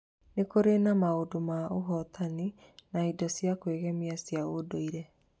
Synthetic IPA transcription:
nekoɾenamaodomaoɦɔt̪ʰaninaidɔsjakweɣɛmiasjaodoiɾɛ

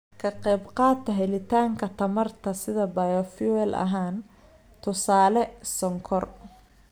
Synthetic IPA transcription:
kʰɐqɛːbqɑːt̪ʰːɐɦɛlɪt̪ʰaːŋkʰɐt̪ʰɐmɐrt̪ʰɐsɪðɐbɐjɔfwɛlʔɐ̰ɦaːn | t̪ʰʊsaːlɛsɔŋkʰɔr

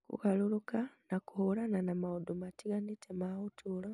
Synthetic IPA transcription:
kṵɣalulukanakuholananamaud̪umatiɡanitʰemautʰula

